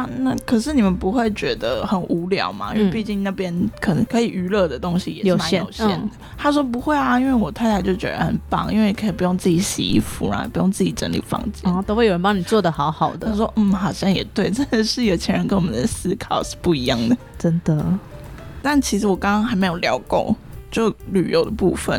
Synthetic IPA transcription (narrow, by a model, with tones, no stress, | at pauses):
na˥˩kʰə˨˩ʂ̬ɻ̩˥˩ni˨˩mə˨npu˧˥xwe˥˩ɪt͡ɕɥɛ˧˥d̪ə˧xə˨˩nʔu˧˥ljɑ̰˨˩˦ʊma̰˩˦ḭ˥nwe˥˧ɪ˧pi˥˧t͡ɕi˥˧ŋna˥˩pjɛ˥nkʰə˨˩nə˧˥ŋkʰɤ˧˥i˨˩ʔy˧˥lɤ˥˩d̪ə˩t̪o˥ŋɕi˨jɛ˨˩ʂ̩˨˩˥ma˧˥ɛ˥jo̰˨˩ʊɕɛ̰˥˩nd̪ə˨˩t̪ʰa˥ʂ̬wɔ˥pu˧˥xwe˥˩ɪa˨i˥nwe˥˩ɪwɔ˨˩t̪ʰa˥˩ɪtʰa˧˥t͡ɕo˥˩ʊt͡ɕɥɛ̰˧˥ə̰˨xə˨˩npɑ̰˥˨ŋḭ˥nwe˥˩ɪ˨˩kʰə˧˥i˨˩pu˧˥jo˥˧ŋt͡sɹ̩ɨ˥˩t͡ɕi˨˩ɕḭ˧˥i˥˩fṵ˧˩n̰˥˨˩pu˧˥jo˥˧ŋt͡sɹ̩˥˩t͡ɕi˨˩ʈ͡ʂə̰˧˥nlḭ˨˩fɑ̰˥˧ŋt͡ɕɛ̰˥˩˨t̪o˥xwe˥˩jo˨˩ɻə˧˦pɑ˥ŋni˨˩t͡swɔ˥˩d̪ə˩xɑ˧˥ʊxɑ˨˩ʊd̪əa˥ʂwɔ˥m̩˥˩xɑ˨˩ʊɕjɑ˥˩ŋjɛ˨˩t̪we˥˩ɪʈ͡ʂə˥˧˩nd̪ə˨ʂɻ̩˥˧i˥ɡə˨˩t͡ɕʰjɛ˧˥nɻə˧nkə˧˥nwɔ˨˩ə˨nd̪ə˧˦sɹ̩˥kʰɑ˨˩ʊʂ̩˥˩pu˥˩i˧˥jɑ˥˩ŋd̪ə˩ʈ͡ʂə˦˥nd̪ə˨ | t̪a˥˩nt͡ɕʰi˧˥ʂɻ̩˥wɔ˨˩kɑ˥ŋkɑ˥ŋxa˧˥ɪme˧ɪjo˨˩ʊljɑ˧˥ʊko̰˥˧ŋt͡ɕjo˥˩ʊly̰˨˩jo˥˩ʊd̪ə˨˩pṵ˥˧fə̰˨˦n